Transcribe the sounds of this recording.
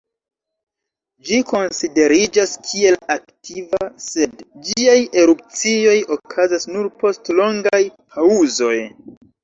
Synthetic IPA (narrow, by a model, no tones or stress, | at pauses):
d͡ʒiko̞nside̞ɾid͡ʒaskʰie̞laktivase̞dd͡ʒiaje̞ɾup̚t͡sio̞jo̞kʰazasnuɾpo̞stlo̞ŋɡajpʰauzo̞j